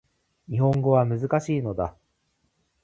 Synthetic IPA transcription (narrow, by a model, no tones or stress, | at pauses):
ɲ̟ihõ̞ŋɡo̞βamɯ̟zɨkaɕiːno̞d̪a